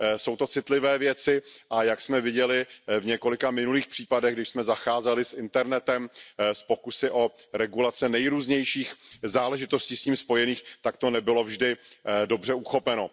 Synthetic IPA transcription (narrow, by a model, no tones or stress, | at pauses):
so̞wt̪o̞t͡sɪt̪lɪvɛːvjɛt͡sɪʔajaksmɛvɪɟɛlɪvɲɛko̞lɪkamɪnuliːxpr̝̥iːpadɛɣɡdɪʃsmɛzaxaːzɛlɪsʔɪnt̪ɛɾnɛt̪ɛmspo̞kusɪʔo̞ | ɾɛɡulat͡sɛnɛjɾuːzɲɛjʃiːxzaːlɛʒɪt̪o̞sciːsciːmspo̞jɛniːxt̪akt̪o̞nɛbɪlo̞vʒdɪdo̞br̝ɛuxo̞pɛno̞